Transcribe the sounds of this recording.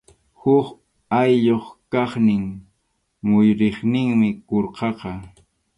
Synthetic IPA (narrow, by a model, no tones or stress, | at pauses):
hʊk | ajʎoχkɑχnɪŋ | mʊjɾɪχnɪŋmɪkoɾqɑqɑ